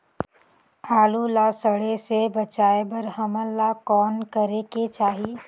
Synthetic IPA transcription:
aːlulasəɽesebɐt͡ʃaːebɐɾɦəməlːakɔːnkɐɾeket͡ʃaːɦi

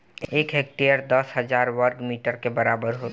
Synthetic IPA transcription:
eːkɦeːk̚ʈejəɾd̪əsɦəzaːɾʋəɾɡmiːʈəɾkebəɾaːbəɾɦo

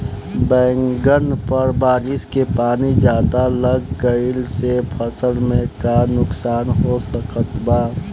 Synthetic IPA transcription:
bɛ̃ːŋɡənpəɾbaːɾɪskepaːnid͡ʒjaːd̪aləɡːəɪlsepʰəsəlmẽkanʊksaːnɦosəkət̪baː

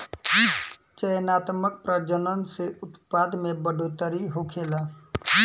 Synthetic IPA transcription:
t͡ʃəjənaːt̪mək̚pɾəd͡ʒənənseʔʊt̪pad̪mẽbəɖʱot̪əɾiɦokʰeːla

